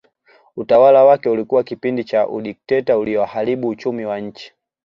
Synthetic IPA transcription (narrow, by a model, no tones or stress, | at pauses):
utawalawakɛulikuwakipindit͡ʃaʔṵɗik̚tɛtauliɔwahaliɓuːt͡ʃumiwaɲ̩t͡ʃi̥